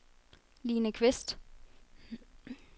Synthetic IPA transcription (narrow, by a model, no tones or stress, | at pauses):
liːnəkʰʋɪsd̥